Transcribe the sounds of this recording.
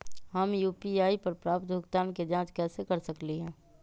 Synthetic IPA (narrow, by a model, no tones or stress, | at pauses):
ɦɐmjuːpiaːipɐɾpɾaːpt̪bʱʊkt̪aːnked͡ʒãːt͡ʃkɛːsekɐɾsəkliɦɛ̃ː